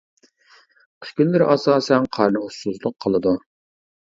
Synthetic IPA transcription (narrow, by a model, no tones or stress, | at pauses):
k̪ʰkʲynlɪɾʔɑsɑːsɛnqʰɑɾnɨɦusuzlˠʊqʰːəlˠɨd̪u